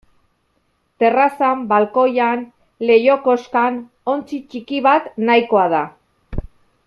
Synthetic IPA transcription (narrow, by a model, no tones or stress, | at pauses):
t̪e̞rasambalko̞jan | le̞jo̞ko̞skan | o̞nt͡sit͡ʃikiβat̪najko̞aða